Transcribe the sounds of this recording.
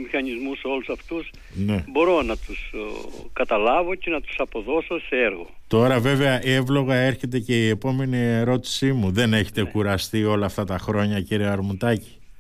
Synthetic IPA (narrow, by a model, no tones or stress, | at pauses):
mixɐɲizmuso̞lusɐft̪us | ne̞bo̞ɾo̞nɐt̪uskɐt̪ɐlɐvo̞cenɐt̪u̥sɐpo̞ðo̞so̞seeɾɣo̞̰t̪o̞ɾɐve̞ve̞ɐʔe̞vlo̞ɣɐe̞ɾçe̞t̪e̞ce̞ie̞po̞me̞nieɾo̞t̪i̥simuðe̞ne̞çe̥t̪e̞kuɾɐst̪io̞lɐːft̪ɐt̪ɐxɾo̞ɲɐciɾiɐɾmut̪ɐci̥